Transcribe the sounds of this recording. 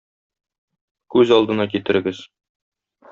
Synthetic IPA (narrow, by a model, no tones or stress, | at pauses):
kʉzɒlˠd̪ɤ̆nɑk̬it̪ɘ̆ɾɘ̆ɡɘz